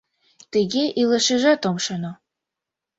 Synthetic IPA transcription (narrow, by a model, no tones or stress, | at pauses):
t̪əɣeʔilɤʃĕʒɑt̪omʃɤno